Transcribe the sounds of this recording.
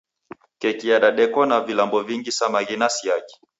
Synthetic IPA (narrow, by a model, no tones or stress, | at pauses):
kɛkiaɗaɗɛkɔnavilambɔviŋɡisamaɣinasiaki̥